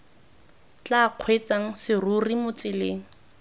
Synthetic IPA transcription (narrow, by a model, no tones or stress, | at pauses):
t͡ɬaq͡χʰwet͡saŋ̩sɪrurimʊt͡sɪleːŋ̩